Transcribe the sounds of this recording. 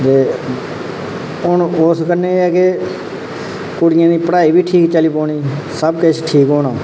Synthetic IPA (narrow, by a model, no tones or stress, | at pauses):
t̪eː | ʊnoːskəneːɛːke | kʊɽɪjãːd̪iːpəɽaːiːbiːʈʰiːkt͡ʃəliːpoːɳ̃iːsəbkɪt͡ʃʰʈʰiːkɦoːnãː